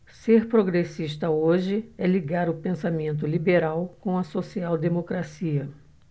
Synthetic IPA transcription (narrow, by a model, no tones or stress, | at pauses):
seɾpɾoɡɾesiʃt̪ɐoʒɪɛliɡaɾʊpẽsamẽnt̪̬ʊlibeɾawkõw̃ɐsosiawd̪emokɾasiɐ